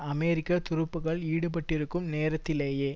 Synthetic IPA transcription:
ɐmeːɾɪkːɐt̪ʊɾɯpːɯɣɐɭiːɽɯpɐʈːɪɾɯkːɯmneːɾɐt̪ːɪleːjeː

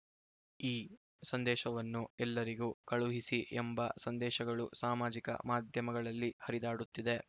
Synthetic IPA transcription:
iː | sɐnd̪ɛːʃɐʋɐnːuɛlːɐɾiɡuːkɐɭuɦisiʔɛmbɐsɐnd̪ɛːʃɐɡɐɭusaːmaːd͡ʒikɐ̰maːd̪ʱjɐmɐɡɐɭɐlːihɐɾid̪aːɽut̪ːid̪e̞

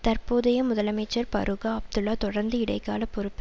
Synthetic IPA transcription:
t̪ɐrpoːðɐjɐmʊðɐlɐmɐɪt͡ʃːɐɾpɐ̰ɾɯɣaɐb̚d̪ɯlːaːt̪ɔɽɐɾnd̪ɯɪɽɐɪkːa̰ːlɐpːɔɾɯpːɯ

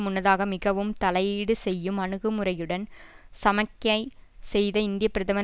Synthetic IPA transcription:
mʊnːɐðaːɣɐmɪɣɐʋɯmt̪ɐlɐjiːɽɯsɛjːɯmɐɳɯɣɯmʊrɐjɯɽɐnsɐmɐkːɐɪsɛjðɐɪnd̪ɪjɐpːɪɾɐðɐmɐ

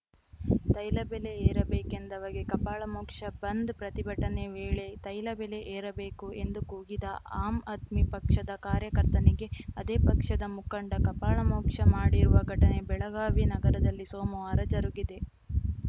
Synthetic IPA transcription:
t̪ɐjlɐbele̞eːɾɐbeːkend̪ɐʋɐɡekɐpaːɭɐmɔːkʂɐbɐnd̪pɾɐt̪ibʱɐʈɐne̞ʋeːɭe̞t̪ɐjlɐbele̞ʔeːɾɐbeːkue̞nd̪ukuːɡid̪ɐʔaːmɐt̪mipɐkʂɐd̪ɐkaːɾjɐkɐɾt̪ɐneɡe̞ɐd̪eːpɐkʂɐd̪ɐmukɐɳɖɐkɐpaːɭɐmoːkʂɐmaːɽiɾuʋɐɡʱɐʈɐne̞bɛɭɐɡaːʋinɐɡɐɾɐd̪ɐlːisoːmɐʋaːɾɐd͡ʒɐɾuɡid̪e̞

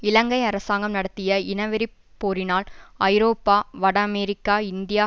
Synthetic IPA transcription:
ɪlɐŋɡɐɪɐɾɐsaːŋɡɐmnɐɽɐt̪ːɪjɐɪnɐʋɪɾɪp | pːoːɾɪnaːlʔɐɪɾoːpːaːʋɐɽɐɐmeːɾɪkːaːɪnd̪ɪjaː

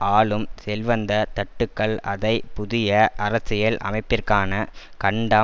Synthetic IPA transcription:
aːlɯmsɛlʋɐnd̪ɐt̪ɐʈːɯkːɐɭɐðɐɪpʊðɪjɐʔɐɾɐsɪjɐlʔɐ̰mɐɪpːɪrkaːnɐ | kɐɳɖɐ

